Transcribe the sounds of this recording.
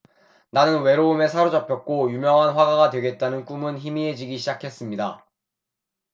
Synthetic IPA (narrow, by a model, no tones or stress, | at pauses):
nanɯnwe̞ɾoume̞sʰaɾod͡ʑʌpʰjʌk̚k͈ojumjʌŋɦanɸwaɡaɡadwe̞ɡe̞t̚t͈anɯnk͈umɯnçimie̞d͡ʑiɡiɕʰid͡ʑakʰe̞s͈ɯmɲida